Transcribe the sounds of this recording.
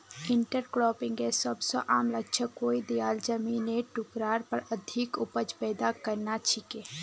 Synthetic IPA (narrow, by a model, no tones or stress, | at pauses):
ɪɳʈəɾkɾɔːpɪ̃ŋɡesəbsə̰ʔaːmləɡt͡ʃʰəkoːid̪ijaːld͡ʒəmineʈʊkɾaːɾpəɾəd̪ʱikʊpət͡ʃpɛːd̪akəɾnat͡ʃʰikeː